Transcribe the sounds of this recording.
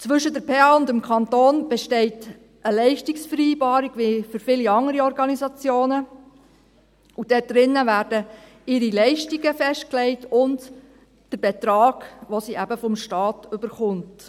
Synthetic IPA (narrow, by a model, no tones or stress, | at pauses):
t͡sʋʏʃədəɾpʰeɑʊndəmkʰɑntoːnb̥eʃtɛɪt | ʔəlɛɪʃtiksfəɾiːbɑːɾiɡ̥ʋifʏɾfɪliɑŋəɾiɔɾɡɑnizɑt͡sjoːnə | ud̥ɛt̚d̥ɾɪnːəʋæːɾdə | ɪɾilɛɪʃtiɡəfɛʃt̚klɛɪtʊnt | d̥əɾb̥et̪ɾɑːɡ̥ʋosiʔæbəfɔmʃtɑːtʏbəɾχʊnt